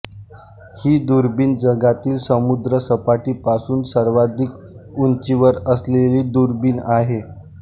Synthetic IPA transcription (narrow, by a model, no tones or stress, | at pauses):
hiːd̪uɾbiːnd͡zəɡat̪iːlsəmud̪ɾəsəpaʈiːpasuːnsəɾʋad̪ʱik | unt͡ɕiʋəɾəsleliːd̪uɾbiːnaɦe